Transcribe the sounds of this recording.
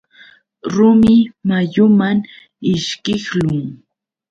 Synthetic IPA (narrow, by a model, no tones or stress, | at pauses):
ɾʊmɪmajʊmaŋ | ɪʃkɪχlʊŋ